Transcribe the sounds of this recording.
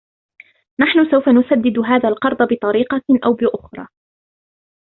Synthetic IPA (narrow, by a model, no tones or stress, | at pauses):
naħnʊsawfanʊsad̪ːɪd̪ɦaːðaːlqɑɾˤd̪ˤɑbɪt̪ˤɑɾiːqɑʔawbɪʔʊxɾˤɑ̰ː